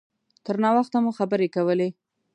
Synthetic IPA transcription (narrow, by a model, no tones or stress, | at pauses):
t̪əɾnɑwaxt̪amuxabəɾekawəle